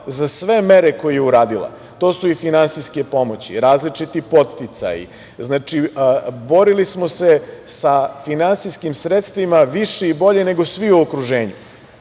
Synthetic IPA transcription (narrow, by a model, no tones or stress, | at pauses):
zasʋe̞me̞ɾeko̞jejeuɾaːd̪ilˠa̰ | t̪o̞ːsuifinansiske̞po̞mot͡ɕḭɾaːzlit͡ʂit̪ipo̞t̪t̪it̪sa̰jḭ | znaːt͡ʃibo̞ɾilismo̞se̞safinansiskimsɾet̪st̪ʋimaʋiʃeibo̞ʎe̞ne̞ɡo̞sʋiuokɾuʒe̞ːɲu